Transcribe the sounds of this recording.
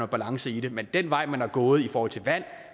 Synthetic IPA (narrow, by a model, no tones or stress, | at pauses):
ɒb̥ælɑ̈ŋsəide̝mend̥en̰ʋɑ̈ɪ̰mænæɐɡ̥ɔ̽ːð̞̩ˠifɒːhɒ̽l̰t͡sʰe̝ʋæn̰